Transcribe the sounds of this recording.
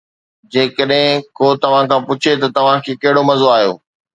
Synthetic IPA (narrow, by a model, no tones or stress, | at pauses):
d͡ʑeːkəɗɦɪ̃koːt̪ɐʋ̤ãkʰãːpʊt͡ɕʰet̪ɐt̪ɐʋ̤ãkʰeːkɐɦɪɽomɐzoaːɦijo̰ː